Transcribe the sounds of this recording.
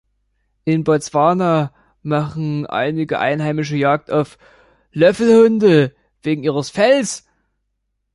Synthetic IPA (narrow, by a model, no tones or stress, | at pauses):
ʔɪnbɔt͡sv̥aːna | maχn̩ʔa̰ɪnɪɡəʔa̰ɪnɦaɪmɪʃ̬əjaːk̚taʊf | lœfl̩hʊndə | v̥eːɡŋ̩ʔiːʁəsfɛls